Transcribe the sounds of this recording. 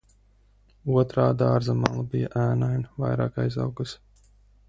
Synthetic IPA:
uɔt̪ɾaːd̪aːɾzamalˠabijaʔæːnajnva̰jɾɑːkajza̰wɡus

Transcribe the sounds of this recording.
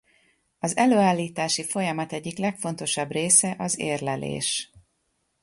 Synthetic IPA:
ɒzɛløːaːlːiːt̪aːʃifo̞jɒmɒt̪ɛɟːiklɛkfo̞nt̪o̞ʃɒbreːsɛʔɒzḛːrlɛlḛːʃ

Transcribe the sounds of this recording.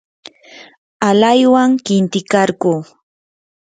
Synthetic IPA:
alajwaŋkɪnt̪ɪkaɾɢuː

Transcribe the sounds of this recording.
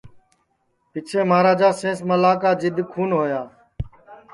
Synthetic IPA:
pɪt͡ʃʰeːmaːɾaːd͡ʒaːsẽːsməlaːkaːd͡ʒɪd̪ʱkʰuːnɦoːjaː

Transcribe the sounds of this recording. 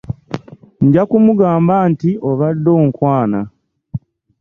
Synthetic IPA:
ɲɟakumuɡaːmbaːntiʔo̞βadːo̞ːŋkwaːna

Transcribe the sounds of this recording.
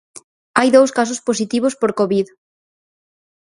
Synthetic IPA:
ajðowskas̬ʊspos̬it̪iβ̞ospoɾkoβið

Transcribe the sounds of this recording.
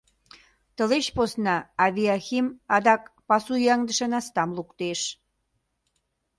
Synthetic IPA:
t̪ə̆leɕposnɑːβiɑximɑd̪ɑkpɑsujɑŋd̪ə̆ʃə̆nɑst̪ɑmlukt̪eʃ

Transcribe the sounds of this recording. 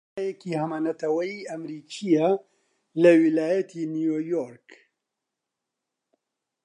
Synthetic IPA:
jekihɐmanɐt̪ɐwɐjiːɐmɾiːkʰijɐ | lɐwilaːjɐt̪ʰinijoːjoɾk

